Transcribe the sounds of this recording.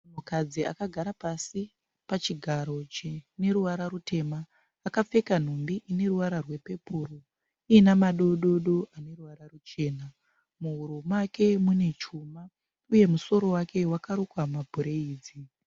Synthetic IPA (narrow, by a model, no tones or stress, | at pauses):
umukad͡zia̰kaɡʱaɾapasi | pat͡ʃiɡʱaɾo̞t͡ʃine̞ɾuʋaɾaɾutʰe̞ːmaː | kap͡fe̞kan̤umbiʔine̞ruʋaɾarwe̞pe̞puːro | iːnamaɗo̞ɗo̞ɗo̞ʔane̞ruʋaɾarut͡ʃe̞ːna | muɦuɾumake̞mune̞t͡ʃuma | uje̞muso̞ɾo̞wakʰe̞wakaɾokwamabʱuɾe̞iːd͡zi